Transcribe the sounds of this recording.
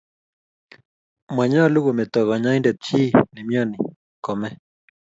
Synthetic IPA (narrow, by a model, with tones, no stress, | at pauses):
ma˨ɲa˦˨lu˦ɣo˨mɛ˨t̪ɔ˨ɣa˨ɲa˦jndɛ˨t̪̚t͡ʃi˦nɛ˨mjɔ˦ni˨ | kɔ˨mɛ˦